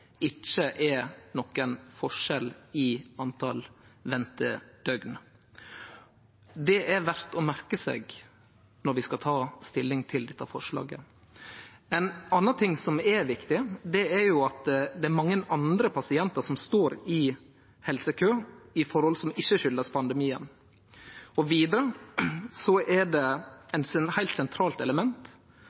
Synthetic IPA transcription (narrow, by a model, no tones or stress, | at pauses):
ɪt͡ʃːəʔɛɾnɔkːənfɔʂɛlɪɑnt̪ʰɑlʋɛnt̪əd̪̥œɡn | d̪ɛʔæɾʋæɾt̪ɔmæɾkəsḛːɡ | nɔɾʋɪskɑt̪ʰɑːst̪ɪlːɪŋt̪ʰɪld̪ɛt̪ːɑfɔʂɭɑ̰ːɡə̰ | ɛnɑnːət̪ʰɪŋːsɔmɛɾʋɪkt̪ɪd̪ɛɛɾjʊɑt̪d̪ɛæɾmɑŋːənɑnd̪ɾəpʰɑsɪɛnt̪əʂɔmst̪oːɾɪ | hɛlsəkʰøːɪfɔɾhɔlsɔmɪçːəʃʏlːəspʰɑnd̪ɛmiːə̰n | ɔʋiːd̪əɾə | sɔʔɛɖɛɛt̪hæɪlt̪sɛnt̪ʰɾɑːlt̪ɛləmɛnt̪